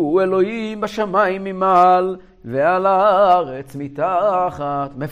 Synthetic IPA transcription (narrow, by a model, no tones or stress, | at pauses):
uelo̞himbaʃamajimːimal | vealaaaaʁet͡smit̪aχat̪me